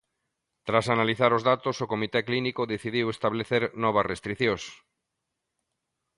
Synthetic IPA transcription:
t̪ɾasanaliθaɾozðat̪osokomit̪eklinikoðeθið̞iwest̪aβleθeɾnɔβ̞asrest̪ɾiθjõs

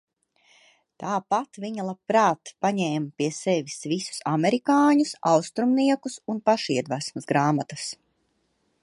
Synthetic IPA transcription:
t̪aːpat̪viɲalˠapɾaːt̪paɲɛːmpiɛsɛʋisvisu̥samɛɾikaːɲusawst̪ɾumniɛkusunpaʃiɛd̪væsmɐzɡɾaːmat̪as

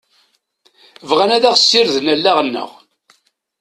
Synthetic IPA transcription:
vʁænæðæʁsːiɾðnælːaʁənːə̰ʁ

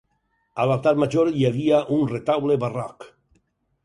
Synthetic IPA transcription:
alat̪at̪maʒoɾjaβiaʔunret̪awleβarak

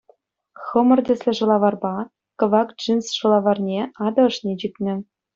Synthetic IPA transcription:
xɤ̆mɤ̆rdʲɘ̆sʲlʲɘ̆ʐɤ̆lˠɑʋɑrbɑ | kɤ̆ʋɑkd͡ʒinsʂɤ̆lˠɑʋɑrnʲeɑd̪ɤ̆ɤ̆ʂnʲet͡ɕikʲnʲɘ̆

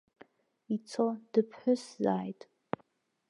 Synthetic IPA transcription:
it͡sʰod̥ɨpʰħʷᶣʊszaːjtʼ

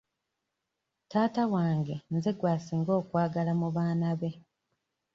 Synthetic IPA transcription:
taːtawaːŋɡe̞nzeɡwaːsiːŋɡo̞ːkwaːɡalamuβaːnaβe̞

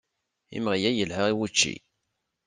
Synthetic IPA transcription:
ḭmʁijæjəlhəʁiwut͡ʃːḭ

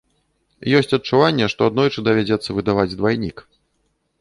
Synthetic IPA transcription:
jɔsʲt͡sʲɐt̚t͡ʂuvanʲːɛʂt̪ɔad̪nɔjt͡ʂɨd̪ɐvʲad͡zʲɛt̪sːɐvɨd̪avad͡zʲd̪vajnʲik

